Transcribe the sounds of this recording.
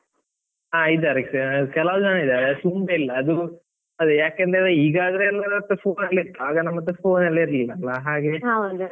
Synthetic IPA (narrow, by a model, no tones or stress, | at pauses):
aːid̪ɐɾiksekɛlɐʋd̪aːneid̪aɾet̪umbeilːɐːd̪u | ɐd̪ujaːkend̪ɾeeiːɡaːd̪ɐɾenːɐɐt̪ːɐpʰoːnɐlːiɾt̪ːaːɡɐnɐmːɐt̪ːɐfo̞ːnɐlːɐiɾlilːɐlːɐɦaːɡeɦand̪u